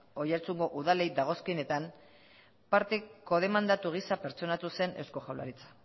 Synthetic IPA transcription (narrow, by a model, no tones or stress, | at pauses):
o̞jaɾt͡suŋɡo̞ʔuðale̞jd̪aɣ̞o̞skiene̞t̪am | paɾt̪e̞ko̞ðe̞mand̪at̪uɣ̞isape̞ɾt͡ʃo̞nat̪use̞ne̞wsko̞xawla̰ɾit͡sḁ